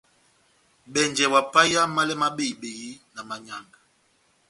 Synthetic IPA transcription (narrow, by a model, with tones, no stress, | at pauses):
ɓɛ˨nd͡ʒɛ˨wa˨pa˦ja˦ma˦lɛ˦ma˦ɓe˦i˨ɓe˨ɣi˦na˨ma˨ɲa˨ŋɡa˨